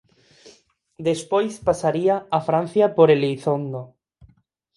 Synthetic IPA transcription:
d̪espojspasaɾiaafɾan̟θjapoɾelijθond̪o

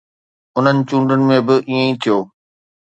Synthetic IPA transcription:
ʊn̤ənɪ̆t͡ɕũːɳɖənɪ̆mẽbɪʔiːẽĩt̪ʰijoː

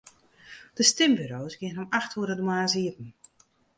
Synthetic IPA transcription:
d̥əstɪmbyɾoːsɡɪənɔmaxtʰuəɾədəmaːnsiətn̩

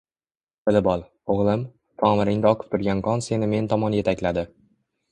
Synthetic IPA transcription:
bɪlɪbɒlˠ | oʁlˠɪm | t̪ʰɒːmɪɾɪŋd̪aɒqʰɨ̥p̚t̪ʰʊɾɡʲankʰɒnse̞nɪme̞nt̪ʰɒmɒnje̞t̪ʰakʲlad̪ɪ

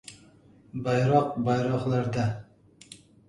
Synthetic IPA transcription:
bɑjɾɑq̚bɑjɾɑχlˠæɾd̪æ

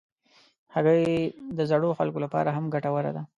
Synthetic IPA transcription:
haɣəjd̪əzaɽoxalkolapɑ̰ɾaɦamɡaʈawəɾa̰d̪a

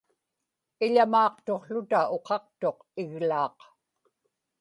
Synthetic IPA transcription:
ɪʎamɑːqt̪o̞qɬʊt̪ao̞qʰɑq̚t̪o̞q | ɪɣlɑːq

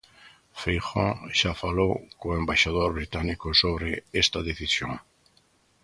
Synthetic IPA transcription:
fejxõ̰ʃafalowkoembaʃað̞oɾβɾit̪anikosoβɾeest̪aðeθisjoŋ

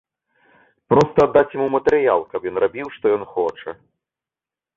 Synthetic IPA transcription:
pɾɔst̪ɐːd̪ːat͡sʲjamumɐt̪ɛɾɨjalˠkɐpjɔnrabʲiwʂt̪ɔjɔnxɔt͡ʂɛ̰

